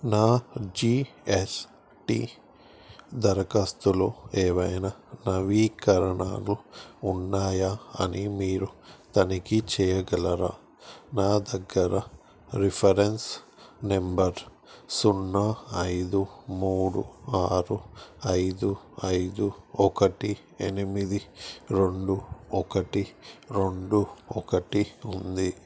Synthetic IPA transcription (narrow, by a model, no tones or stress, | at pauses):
naːd͡ʒiːes | ʈḭ | d̪ɐɾɐkɐst̪uloːeːʋɐjnɐnɐʋiːkɐɾɐɳa̰ːluunːaːjaɐ̰nimiːɾut̪ɐnikit͡ʃɛːjɐɡɐlɐɾa̰ | naːd̪ɐɡːɐɾɐ | ɾipʰɐɾens | nembɐɾ | sunːɐɐjd̪umuːɽṵaːɾuɐjd̪u | ɐjd̪uɔkɐʈi | enimid̪iɾe̞ɳɖuɔkɐʈiɾeɳɖuɔkɐʈiund̪i